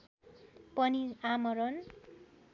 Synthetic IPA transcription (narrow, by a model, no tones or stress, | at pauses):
pʌniamʌɾʌn